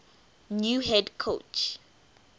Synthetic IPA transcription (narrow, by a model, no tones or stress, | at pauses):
njuɦɛdkʰot͡ʃ